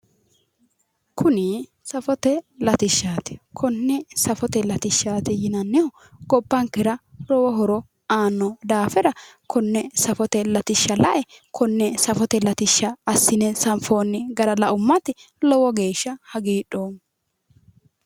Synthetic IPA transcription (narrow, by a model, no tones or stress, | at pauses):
kʰʊnɪ | sɐfɔt̪ɛlɐt̪ɪʃːaːt̪ɪ̥kʰɔnːɛsɐfɔt̪ɛlɐt̪ɪʃːaːt̪ɪjɪnɐnːɪhɔ | ɡɔpːɐŋkːɛɾɐlɔwɔɦɔɾɔ | aːnːɔd̪aːfɛɾɐkʰɔnːɛsɐfɔt̪ɛlɐt̪ɪʃːɐlɐʔɛkʰɔnːɛsɐfɔt̪ɛlɐt̪ɪʃːɐːsːɪnɛsɐmfoːnːɪɡɐɾɐlɐʔʊmːɐt̪ɪ | lɔwɔɡe̞ːʃːɐhɐɡiːɗoː